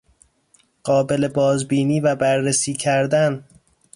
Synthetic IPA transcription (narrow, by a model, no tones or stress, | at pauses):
ɢ̥ɒːbe̞lebɒːzbiːniːvæbæɾːesiːcʰæɾd̪æn